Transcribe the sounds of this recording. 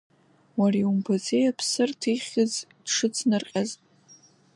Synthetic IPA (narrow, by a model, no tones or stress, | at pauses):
wariumpʰat͡sʼejapʰsɨrtʰiχʲɨzdʂɨt͡sʰnɨrqʲʼazʼ